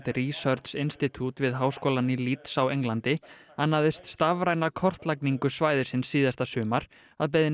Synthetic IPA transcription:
t̪ɪɾiːsœɾt̪sɪnst̪it̪ʰut̪vɪðɦaːwskɔːlanɪlit̪sawejŋlant̪ɪanːaðɪst̪st̪avɾaːjnakʰɔr̥t̪lakniŋkʏsvaːjðɪ̥sɪnsːiːðast̪asʏːmaɾ | aðpɛðɪ

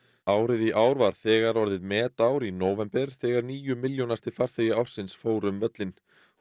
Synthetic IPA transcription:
aːwɾɪðiʔaːwɾvaɾ̥θɛːɣaɾɔɾðɪðmɛːt̪aːwɾinoːwvɛmpɛɾ̥θɛːɣaɾniːjʏmɪljownast̪ɪ̥faɾ̥θejɪawɾ̥sɪnsfoːwɾʏmvœt̪lɪn

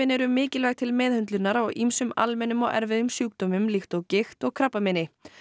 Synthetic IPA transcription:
ɪnɛɾʏmːɪːcɪlvɛɣt̪ʰɪlmɛːðhʏnt̪lʏnaɾawɣimsʏma̰lmɛnːʏmɔ̰ɣɛ̰ɾvɪðʏmsjœːk̚t̪ɔmʏmlɪxt̪ɔɣcɪxt̪ɔɣkʰɾapːamɪnɪ

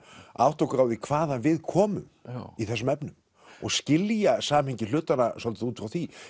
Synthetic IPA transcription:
a̰wt̪owkɾawðikʰvaːðanvɪðkʰɔːmʏ̰miθɛsːʏmɛpnʏm | ɔɣscɪljasaːmhiɲcɪlʏːt̪anasɔlt̪ʏ̥θuːt̪fɾawθvi

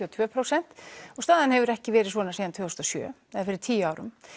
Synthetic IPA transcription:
ɔt̪ʰvœːpʰɾasɛn̥t̪ɔɣst̪aːðanhɛvʏɾɛhcɪvɛːɾɪsvɔːnasiːðant̪ʰvœːɔst̪ɔsjœ̰ːθɛɛɾfɪɾɪ̥t̪ʰiːjaːwɾʏ̰m

